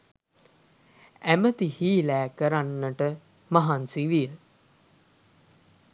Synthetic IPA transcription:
æmət̪ihiːlæːkəɾanːəʈə | maɦansiʋiə

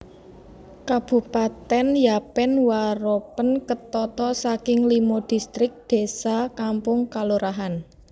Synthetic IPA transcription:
kab̥ṳpat̪ɛnjapɛnwaɾopənkət̪ɔt̪ɔsakɪŋlimod̪̥i̤st̪ɾɪk̚d̪̥e̤sakampʊŋkaluɾʔaɦan

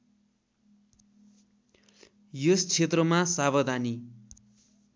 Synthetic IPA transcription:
jost͡sʰet̪rʌmasaβʌd̪ʱani

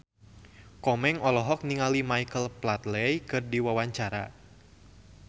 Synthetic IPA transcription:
kɔmɛŋɔlɔɦɔk̚niŋalimajkəlplat̪lɛjkɨrdiwawaɲt͡ʃaɾa̰

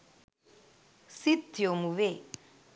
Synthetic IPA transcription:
sit̪jomuʋe

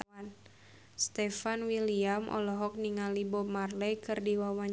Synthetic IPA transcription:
an | st̪ɛfanwiliamʔɔ̰lɔɦɔk̚niŋalibɔmarlɛjkɨrdiwawaɲ

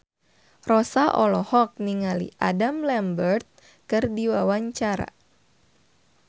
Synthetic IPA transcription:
rɔsaʔɔlɔhɔk̚niŋalḭʔa̰damlɛmbərt̪̚ | kɨrdiwawaɲt͡ʃaɾa̰

